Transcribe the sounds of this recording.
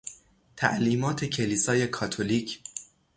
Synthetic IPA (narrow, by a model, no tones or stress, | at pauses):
t̪ʰæ̰ʔliːmɒːt̪ʰe̞cʰe̞liːsɒːje̞kʰɒːt̪ʰoliːcʰ